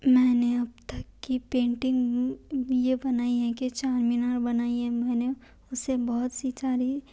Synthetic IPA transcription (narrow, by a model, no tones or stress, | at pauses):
mɛːneɐb̚t̪əkːipẽːɳʈɪ̃ŋɡ | jebɐnaːiɦɛ̃kit͡ʃaːɾminaːɾbɐnaːiɦɛ̃mɛːne | ʊsebɔɦʊt̪sit͡ʃaːɾi